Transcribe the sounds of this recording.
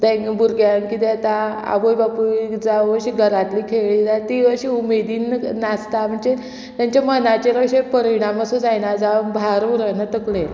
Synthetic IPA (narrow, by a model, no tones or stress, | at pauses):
t̪ɛ̃ŋbuɾɡjankit̪et̪aa̰bojbapuid͡zaəɾɕiːɡʱəɾat̪likʰeɭiːd͡zat̪iʋəɾɕiumed̪iːnːast̪am̤əɳt͡ɕe | t̪jaɲt͡ɕamənat͡ɕeɾəɕepəɾiɽ̃aməsod͡zajnad͡zabʱaɾuɾənat̪əkle